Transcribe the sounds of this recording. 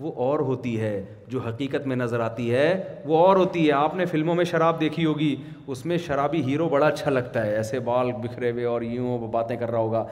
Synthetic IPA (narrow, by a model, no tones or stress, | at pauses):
ʋoʔɔːɾɦoːt̪iɦɛː | d͡ʒoːɦɐqiːqət̪mẽnɐzəɾaːt̪iɦɛːʋoɔːɾɦoːt̪iɦɛaːpnefɪlmõmẽʃɐɾaːb̚d̪eːkʰiɦoːɡi | ʊsmẽʃɐɾaːbiɦiːɾobɐɽaɐtːʃʰalɐɡt̪aɦɛɛːsebaːlbɪkʰɾeʋeɔːɾj̃baːt̪ẽkɐɾːaɦoːɡaː